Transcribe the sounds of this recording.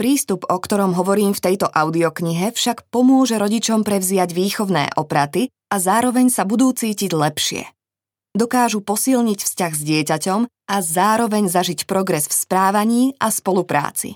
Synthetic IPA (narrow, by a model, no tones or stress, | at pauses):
pɾiːst̪upɔkt̪ɔɾɔmɦɔʋɔɾiːmft̪ɛjt̪ɔʔaʊd̪iɔkɲiɦɛfʃakpɔmʊɔʒɛɾɔɟit͡ʃɔmpɾɛvzɪaɟʋiːxɔʊnɛ̰ːʔɔpɾat̪i | azaːɾɔʋɛɲsabud̪uːt͡siːciɟlɛpʃɪɛ̰ | d̪ɔkaːʒupɔsilɲicfscaɣzɟɪɛcacɔm | azaːɾɔʋɛɲzaʒicpɾɔɡɾɛsfspɾaːʋaɲiːaspɔlupɾa̰ːt͡sḭ